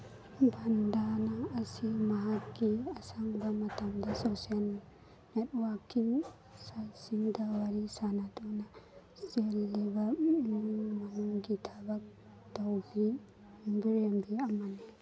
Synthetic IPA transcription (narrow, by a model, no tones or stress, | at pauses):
bɐndanɐːsimɐɦakkːiɐsaŋbɐmɐtɐmdɐsosal | net̚wakʰːiŋ | sasiŋdɐwɐɾisanatonɐ | selːibɐnuŋmɐnuŋɡitʰɐbɐk̚ | tɐwbi | biɾenbiɐmɐni